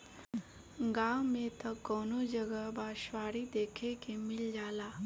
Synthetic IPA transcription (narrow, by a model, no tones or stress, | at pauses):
ɡaːwmet̪əkːɔːnod͡ʒəɡəbaːʃʋaːɽid̪eːkʰekemɪld͡ʒaːlaː